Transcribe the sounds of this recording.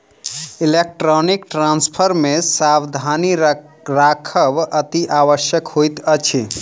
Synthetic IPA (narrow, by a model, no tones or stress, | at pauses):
ilek̚ʈɾonikʈɾanspʰəɾmesabd̪ʱani | ɾakʰəbət̪iʔaʋəʃjəkhojt̪ət͡ʃʰi